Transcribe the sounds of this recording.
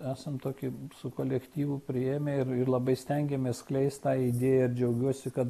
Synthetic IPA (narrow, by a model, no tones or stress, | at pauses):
æːsɐmt̪oːkʲɪsʊkoːlʲɛkt̪ʲiːʋʊpʲɾʲɪeːmʲɛɪrɪrlˠɐbɐɪsʲt̪ʲɛŋʲɡʲɛmʲɛsklʲɛɪsʲt̪ʲt̪ɑːɪd̪ʲeːjɛɪɾd͡ʒʲɛʊɡʲuɔsʲɪkɐt̪